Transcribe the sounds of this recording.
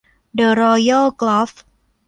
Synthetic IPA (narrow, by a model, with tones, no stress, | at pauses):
də˨˧ɾɔ˧jə˥klɔ˦˥f